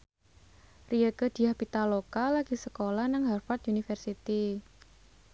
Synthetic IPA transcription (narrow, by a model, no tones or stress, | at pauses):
riəɡəd̪̥i̤ahpit̪alokalaɡ̥isəkolahnaŋɦarfat̪̚unifərsit̪i